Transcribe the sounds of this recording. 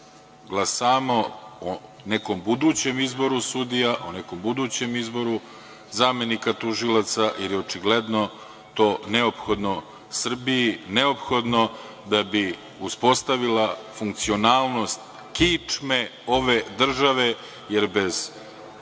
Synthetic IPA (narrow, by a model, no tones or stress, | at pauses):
ɡlˠasaːmoo | neko̞mbud̪uːt͡ɕe̞mizbo̞ɾusud̪ijaʔoneko̞mbud̪uːt͡ɕe̞mizbo̞ɾu | zame̞nikat̪uʒilˠat̪sajeɾjeot͡ʂiɡled̪no̞ | t̪o̞ːneopxo̞d̪no̞ | sr̩bijineo̞pxo̞d̪no̞ | d̪abi | uspo̞st̪aʋilafuŋk̚t̪sio̞naːlˠno̞st̪ | kit͡ʂmeo̞ʋe̞d̪r̩ʒaʋe̞ | jeɾbe̞z̥